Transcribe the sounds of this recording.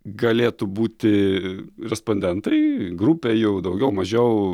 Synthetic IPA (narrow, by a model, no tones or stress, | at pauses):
ɡɐlʲeːt̪ʊbuːt̪ʲɪ | ɾʲɛsponʲd̪ʲɛnt̪ɐɪɡɾupʲejɛʊd̪ɐʊɡʲɛʊmɐʒʲɛʊ